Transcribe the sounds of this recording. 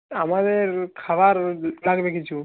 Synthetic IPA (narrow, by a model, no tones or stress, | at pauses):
amad̪eɾkʰabaɾlaɡbekit͡ʃʰu